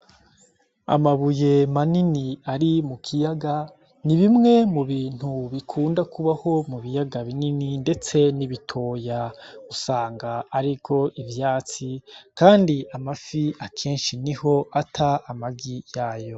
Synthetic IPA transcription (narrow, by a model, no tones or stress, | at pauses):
a̰maβuje̞maniniaɾimukʰijaɡa | niβimŋe̞muβiːn̥huβikʰuːndakuβaho̞muβijaɡaβinininde̞t͡se̞niβitʰo̞ːjaɡusaːŋɡaːɾiɡo̞ʔivjaːt͡sikaːndiamafiakʰe̞ːnʃiniho̞ʔatʰaamaɡijaːjo̞